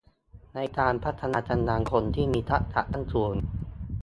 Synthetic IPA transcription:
na˧jkaː˧npʰa˦˥t̪ʰːa˧naː˧t͡ɕa˧ndaː˧ŋkʰo˧nt̪ʰiː˥˩miː˧t̪ʰa˦˥ʔ̚t̪ʰa̰˨˩ʔt̪ʰa˥˩ŋsu˨˩ən

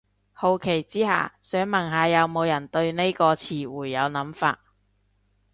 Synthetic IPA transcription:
ho˨wkʰe˨˩jt͡siː˥ha̰ː˨sœː˨˥ŋmɐ˨˩nɦaː˨˧jɐ˨˧wmo˨˧wjɐ˨˩nt̪ɵ˧ɥne˥jkɔː˧t͡sʰiː˨wuː˨˩jːɐ˨˧wnɐ˨˥mfa̰ː˧t̚

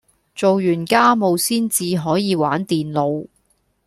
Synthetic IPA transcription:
t͡so˨wjyː˨˩nkaː˥mo˨wsiː˥nt͡siː˨˧ɦɔː˨˥jiː˨˧waː˨˥nt̪iː˨nlo˨˧w

